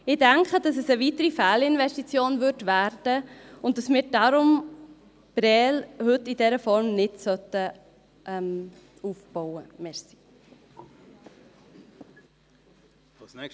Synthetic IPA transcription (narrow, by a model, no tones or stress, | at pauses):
ɪdæŋkχədɑsəsəvitəɾifæːlɪnvɛstit͡sjoːnvʏɵɾdvæːɾd̥əʊnt̚dɑsmɪːɾdɑɾʊm | b̥ɾɛːlhɵtːidɛɾəfɔɾmnɪdsœtə | ʔɛm | uːfb̥ɔʊəmɛsi̥